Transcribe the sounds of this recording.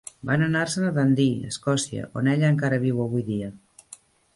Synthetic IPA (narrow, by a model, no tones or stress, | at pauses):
banənaɾsənəðənd̪iə̰skɔsiə̰ʔoneʎəːŋkaɾəβ̞iwəβujðiə